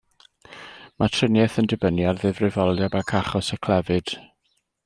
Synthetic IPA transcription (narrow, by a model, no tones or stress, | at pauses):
matʰrənjɛθəndɪbənjarðɪvrɪvɔlˠjabakʰaχɔsəkʰl̥ˠɛvɨd̥